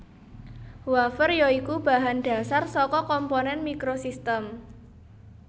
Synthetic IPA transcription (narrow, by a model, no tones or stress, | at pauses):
wafərjɔikub̥a̤ɦanɖ̥ä̤sarsɔkɔkɔmponɛnmikɾosist̪əm